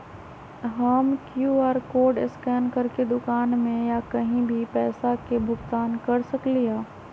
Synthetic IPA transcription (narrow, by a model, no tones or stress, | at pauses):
ɦəmkjuaːɾkoːɖɪskɛːnkɐɾked̪ʊkaːnmẽjakɐɦĩbʱipɛːsakebʱʊɡt̪aːnkɐɾsɐkliaː